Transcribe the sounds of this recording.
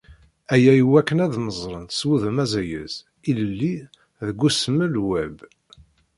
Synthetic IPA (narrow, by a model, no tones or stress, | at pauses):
æjæjəwækːənæðməzˤɾˤənswuðəmæzæjə̰z | iləlːi | ðəɡʷːusəməlwæb